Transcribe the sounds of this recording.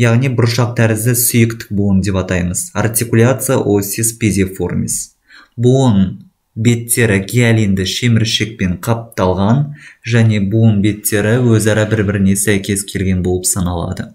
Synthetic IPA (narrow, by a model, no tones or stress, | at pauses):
jɑʁnijbʊɾʃɑq̚t̪ʰæɾɪzd̪ɪsʏjɪkt̪ɪ̥k̚buənd̪e̞pɑt̪ɑjməza̰rt̪ʲikulʲat̪sɨjaʔo̞sʲispʲed̪ʲifo̞̰rmʲḭs | buən | be̞t̪ːe̞ɾɪɡʰʲeælʲind̪ɪʃe̞mɪɾʃek̚pe̞ɴqʰɑp̚t̪ɑlˠʁɑnʒæne̞buənbe̞t̪ʰːe̞ɾɪwɵzɑɾɑbɪɾbɪɾɪne̞sæjkʲe̞skʲʰe̞lɡʲe̞nbo̞lˠəpsɑnɑlˠɑ̰d̪ə